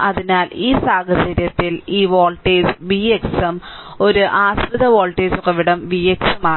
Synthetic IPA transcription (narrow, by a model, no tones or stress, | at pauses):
ʔɐðinaːliːsaːɡɐsɐɾjɐt̪ːiliːʋoːɭʈeːsʋijeksɐm | o̞ɾuʔaːspiðɐʋoːlʈeːsokːɐʋiɽɐmʋijeksɐmaːɳ